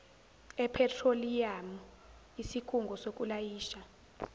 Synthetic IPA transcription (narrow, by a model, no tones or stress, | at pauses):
ɛpʰɛtʰrolijamu | isikʰuŋɡʱɔsok̬ʼulajiːʃa